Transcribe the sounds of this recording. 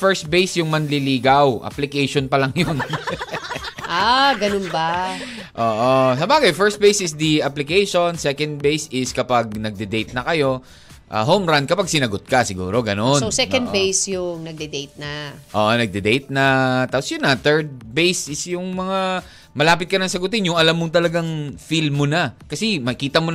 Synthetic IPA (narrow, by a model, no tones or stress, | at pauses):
fɛɹst̪̚bejsjʊŋmɐnlɪliːɡɐwʔɐ̰plɪkɛjʃonpɐlɐŋjon | ʔaɡɐnonbɐ | ʔoːʔosɐbaːɡɐjfɛɹst̪̚bejsɪsd̪iɐplɪkɛjʃonsɛkɐnd̪̚bejsɪskɐpaɡ̚nɐɡ̚d̪ɛd̪ejt̪̚nɐkɐjo̞ | ʔɐ̰ɦowmɹand̪̚kɐpaɡ̚sɪnɐɡot̪̚kɐsɪɡṵːɾo̞ɡɐnoowsɛkɐ̃nd̪fejsjʊŋnɐɡ̚d̪ɛd̪ejt̪̚nɐʔoːʔonɐɡ̚d̪ɛd̪ejt̪̚nɐt̪aːposjʊnːɐt̪ɛɹd̪̚bejsɪsjʊŋmɐŋa | mɐlaːpɪt̪̚kɐnɐŋsɐɡʊt̪ɪnjʊŋɐlamːʊŋt̪ɐlɐɡaŋfilmːonakɐsɛmɐkiːt̪ɐmo